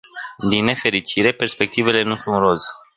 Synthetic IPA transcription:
d̪inːe̞fe̞ɾit͡ʃiɾe̞pe̞rspe̞k̚t̪ive̞le̞nusunro̞z

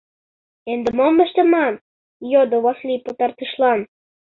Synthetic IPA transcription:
end̪ĕmomə̆ʃt̪ə̆mɑn | jod̪ŏβɑsliput̪ɑrt̪ɯʃlɑn

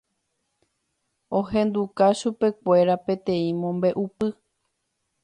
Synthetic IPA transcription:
õhẽ̞nd̪ukaʃupe̞k̚ʷe̞ɾapẽ̞t̪ẽ̞ĩmõ̞mbe̞ʔupɨ

